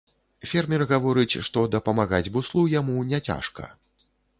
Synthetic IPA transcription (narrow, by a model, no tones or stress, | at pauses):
fʲɛrmʲɛrɣavɔɾɨt͡sʲʂt̪ɔd̪ɐpɐmaɣad͡zʲbuslˠujamunʲɛt͡sʲa̰ʂkɐ̰